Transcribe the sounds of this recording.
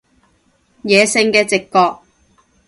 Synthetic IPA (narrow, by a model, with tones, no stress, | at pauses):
jɛː˨˧sɪ˧ŋkɛː˧t͡sɪ˨kːɔː˧k̚